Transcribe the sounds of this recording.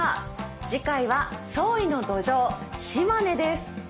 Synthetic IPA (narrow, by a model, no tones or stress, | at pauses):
d͡ʑikaiβaso̞ːino̞d̪o̞ʑo̞ːɕimane̞d̪e̞sɨ̥